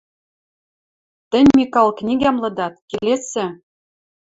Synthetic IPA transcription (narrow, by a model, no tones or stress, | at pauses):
t̪ɘ̆nʲmikɑlˠknʲiɡʲæmlɤ̆d̪ɑt̪̚kelʲesɘ̆